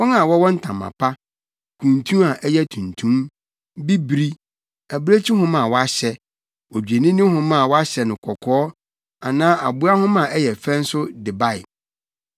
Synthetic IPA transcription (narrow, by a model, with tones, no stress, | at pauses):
wɔ̃˦na˨wɔ˦wɔ̃˦n̩˦tʰã̰˨mːa̰˨pʰa˦ | kʰũ˨ntʰũ˦a˨ʔɛ˦jɛ˦tʰũ˨ntʰũ˦m | bi˦bɾi˦ | æ˨bɾe˦t͡ɕʰi˦ɦʊ̃˦mã˨wɔ˦a˦ɕɛ˦ | wɔ˨d͡ʑᶣe˨nĩ˦nʊ̃˦ɦʊ̃˦mã˦˨wɔ˦a˦ɕɛ˨nʊ̃˨kʰɔ˨kʰɔː˦ | a˨nãː˦ʔa̰˨bʊ˦a˦hʊ̃˦mã˨ɛ˦jɛ˨fɛ̃˦n̩˦sʊ˦dɪ˨ba˦˨ɪ̰˨